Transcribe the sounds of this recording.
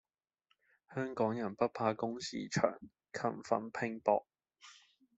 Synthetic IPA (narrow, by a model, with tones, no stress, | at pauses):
hœː˥ŋkɔː˨˥ŋjɐ˨˩npɐ˥t̚pʰaː˧kʊ˥ŋsḭː˧t͡ʃʰœ̰ː˨˩ŋ | kʰɐ̰˨˩mfɐ̰˨˩npʰɪ˧ŋpɔ̰ː˧˨k̚